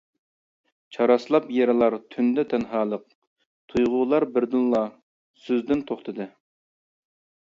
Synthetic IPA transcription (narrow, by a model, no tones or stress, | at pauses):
t͡ʃʰɑɾɑslˠɑpjeɾɪlˠɑɾt̪ʰynd̪ɛt̪ʰɛnɦɑːlˠəq̚ | t̪ʰujʁʊlˠɑɾbɪɾd̪ɪnlˠɑ | søzd̪ɪnt̪ʰoχt̪ʰɨd̪ɨ